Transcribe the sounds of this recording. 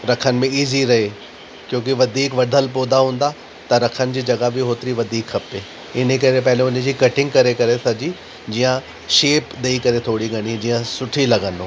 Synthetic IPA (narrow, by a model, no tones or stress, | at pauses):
ɾɐkʰənɪ̆mẽiːziɾɐɦe | kjõːk̬ɪʋɐd̪ʱiːkʋɐɖ̪ʱəlpoːd̪aɦũːn̆d̪a | t̪ɐɾɐkʰənɪ̆d͡ʑiːd͡ʑɐɡabɪɦoːt̪ɪɾiʋɐd̪ʱiːkxɐpe | ɪn̤ekɐɾepɐɦɪleʊ̃nə̆d͡ʑiːkɐʈɪ̃ŋɡkɐɾekɐɾesɐd͡ʑi | d͡ʑiːjə̃ | ʃeːpɗ̪eːikɐɾet̪ʰoːɽiɡʱɐɽ̃id͡ʑiːə̃sʊʈʰilɐɡə̃nd̪oː